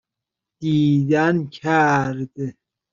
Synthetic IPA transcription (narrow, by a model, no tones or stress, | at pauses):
t̪idankʰaɾd̪e